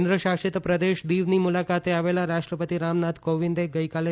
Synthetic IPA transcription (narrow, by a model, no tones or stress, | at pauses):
nd̪ɾəʃakʂet̪pɾəd̪eʃd̪iʋnimulakat̪eaʋelaɾaʂʈɾəpət̪iɾamnad̪koʋind̪eɡəjkale